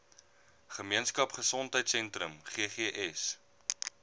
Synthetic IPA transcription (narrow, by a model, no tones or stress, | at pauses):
χəmiənskɐpχəsɔntɦəjtsɛntɾəmχiəχiəʔɛs